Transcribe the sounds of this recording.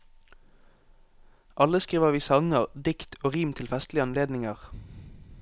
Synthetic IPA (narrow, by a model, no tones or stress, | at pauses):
ʔɑləskʁiːʋəʁʋiːsɑŋəʁd̪ɪkt̪ʰoːʁiːmt̪ʰɪlfɛst̪lɪɑnleːd̪nɪŋəʁ